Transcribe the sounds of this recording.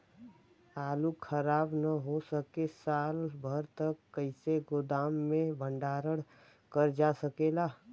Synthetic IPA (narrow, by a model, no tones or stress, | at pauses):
aːlukʰəɾaːbnəɦosəkesaːlbʱəɾt̪əkːəɪseɡʊd̪aːmːẽbʱə̃ɳɖaːɾəɽ | kəɾd͡ʒasəkelaː